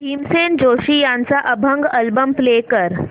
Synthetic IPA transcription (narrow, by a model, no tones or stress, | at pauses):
tiːmsend͡ʑoɕiːjãnt͡saʔəbʱəŋɡəlbəmplekəɾ